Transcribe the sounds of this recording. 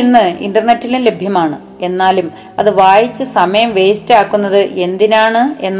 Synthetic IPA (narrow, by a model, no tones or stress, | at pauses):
inːɨḭndɐrnetːilunle̞bʱjɐmaːɳɨ | e̞nːaːlum | ɐðɨʋaːjit͡ɕːɨsɐmɐjɐmʋe̞jstaːkːunːɐðɨʔe̞nd̪inaːɳɨe̞nː